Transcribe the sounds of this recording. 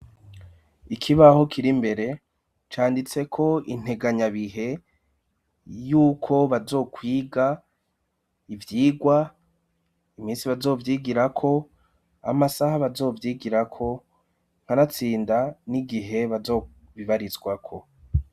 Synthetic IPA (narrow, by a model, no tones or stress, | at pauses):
ikʰiβaho̞kiɾimbe̞ɾe̞ | t͡ʃaːndit͡se̞kʰo̞in̥he̞ɡaɲaβiɦe̞ | juːkʰo̞βazo̞ːkwiːɡa | ivjiːɡwa | imiːnsiβazo̞ːvjiːɡiɾakʰo̞ | a̰masahaβazo̞ːvjiːɡiɾakʰo̞ | ŋ̥hanat͡siːndaniɡiɦe̞βazo | βiβaɾizɡwakʰo̞